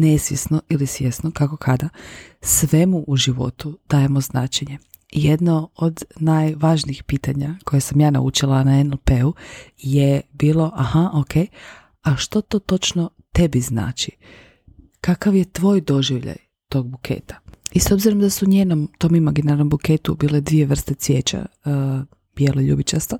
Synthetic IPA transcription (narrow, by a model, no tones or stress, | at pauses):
nesʋjesnoʔilisʋje̞snokako̞kʰad̪asʋe̞muʔuʒiʋo̞̰t̪ud̪̥aːje̞mo̞znaːt͡ʃe̞ɲe̞ | jed̪nood̪najʋaʒniːxpiːt̪aɲakʰo̞jesamjaːna̰ṵt͡ʃilˠanaenelpeuje̞biːlˠo̞ʔahaʔokʰe̞j | aʃt̪ot̪oːt̪o̞t͡ʃno | t̪e̞bizna̰ːt͡ʃi | kakaʋje̞t̪ʋo̞ːjd̪o̞ʒiʋʎa̰j | t̪o̞ːɡ̚bukʰḛːt̪ḁiso̞bziɾomd̪asuɲeːnomt̪o̞ːmimaɡinaɾnombuke̞ːt̪ubiːled̪ʋijeʋr̩st̪esʋjeːt͡ʃa̰ | b̥jeːloʎṵːbit͡ʃast̪o